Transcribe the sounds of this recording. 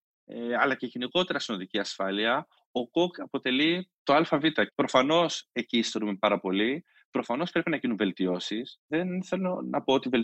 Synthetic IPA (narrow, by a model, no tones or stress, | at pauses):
eɐlɐceʝeniko̞t̪e̞ɾɐsino̞ðiciɐsfɐliɐ | o̞kokɐpo̞t̪e̞lit̪o̞ɐlfɐvit̪ɐpɾo̞fɐno̞se̞ciːst̪e̞ɾumepɐɾɐpo̞li | pɾo̞fɐno̞spɾe̞pinɐʝinunve̞lt̪io̞sisðenθe̞lo̞nɐpoot̪ivel